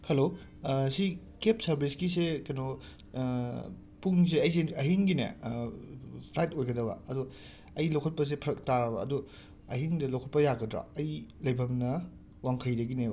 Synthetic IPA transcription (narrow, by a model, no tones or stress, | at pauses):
hɐlo | si | kepsɐɾbʱiskisekɐjno | puŋs̬eɐjs̬eɐɦiŋɡinḛ | pʰlajtojɡɐdɐbɐ̰ɐdu | ɐjlɐwkʰɐt̚pɐs̬epʰɾɐk̚taɾɐbɐːdu | ɐhiŋdɐlɐwkʰɐt̚pɐjaɡɐdɾa̰ɐjlɐjbʱɐmnɐ | waŋkʰɐjdɐɡinebɐ